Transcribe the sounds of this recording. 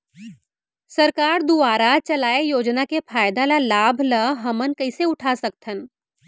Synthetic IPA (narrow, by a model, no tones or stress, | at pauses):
sɐɾkaːɾd̪uaːɾat͡ʃɐlaːejoːd͡ʒnakefʰaːjd̪alalaːbʱləɦɐmənkɐɪseʊʈʰasɐk̚t̪ʰən